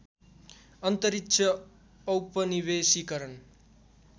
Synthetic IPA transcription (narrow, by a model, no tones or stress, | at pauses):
ʌnt̪ʌɾit̪ːʃʰʌː | wpʌniβesikʌɾʌn